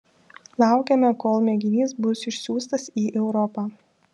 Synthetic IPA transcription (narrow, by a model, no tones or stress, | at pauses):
lˠɑˑʊkʲɛmʲɛkoːlˠmʲɛɡʲɪnʲiːsbʊsɪʃʲsʲuːst̪ɐsiːʔɛʊɾɔpɑː